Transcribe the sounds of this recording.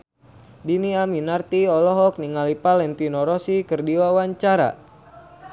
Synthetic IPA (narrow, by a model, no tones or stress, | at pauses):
diniaminart̪iɔlɔɦɔk̚niŋalipalɛnt̪inɔɾɔsikərdiwawaɲt͡ʃaɾa̰